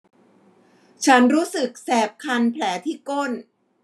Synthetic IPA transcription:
t͡ɕʰa˦˥nɾuː˦˥sɯ˨˩k̚sɛː˨˩p̚kʰa˧npʰlɛː˩˦t̪ʰiː˥˩ko˥˩n

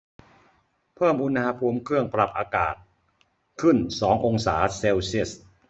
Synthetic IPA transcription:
pʰɤː˥˩mʔu˧nha˧pʰuː˧mkʰɯ˥˩əŋpɾa˨˩p̚ʔaː˧ka̰ː˨˩t̪̚ | kʰɯ˥˩nsɔː˩˦ŋʔo˧ŋsaː˩˦se˧wsi˥˩əs

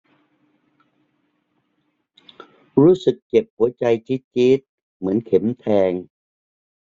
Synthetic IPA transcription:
ɾuː˦˥sɯ˨˩kːe˨˩p̚hu˩˦ɐt͡ɕa˧jt͡ɕʰi˦˥t͡ɕi˦˥t̪̚ | mɯ˩˦ənkʰe˩˦mt̪ʰɛː˧ŋ

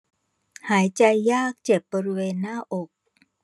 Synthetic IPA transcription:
haː˩˦jt͡ɕa˧jːaː˥˩k̚t͡ɕe˨˩p̚bɔː˧ɾi˦˧weː˧nːaː˥˩ʔo˨˩k̚

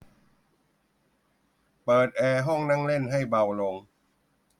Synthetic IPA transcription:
pɤː˨˩t̪̚ʔɛː˧ɦɔ˥˩ŋna˥˩ŋle˥˩nɦa˥˩jba˧wlo˧ŋ

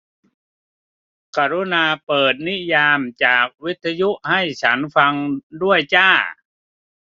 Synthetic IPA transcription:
kaː˧˩ɾu˦˥naː˧pɤː˨˩t̪̚ni˦˥jaː˧mt͡ɕaː˨˩k̚wi˦˥t̪ʰːa˧ju˦˥ʔha˥˩jt͡ɕʰa˦˥nfa˧ŋdu˥˩əjt͡ɕaː˥˩

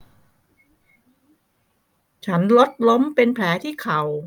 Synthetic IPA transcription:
t͡ɕʰa˦˥nlo˦˥t̪̚lo˦˥mpe˧npʰlɛː˩˦˥t̪ʰiː˥˩kʰa˨˩w

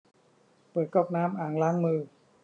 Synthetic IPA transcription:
pɤː˨˩t̪̚kɔː˥˩k̚naː˦˥mʔaː˨˩ŋlaː˦˥ŋmɯː˧

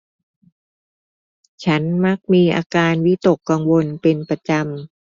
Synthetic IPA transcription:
t͡ɕʰa˦˥nma˦˥k̚miː˧ʔa̰ː˧kaː˧nwi˦˥t̪o˨˩kːa˧ŋwo˧npe˧npɾa˧t͡ɕa˧m

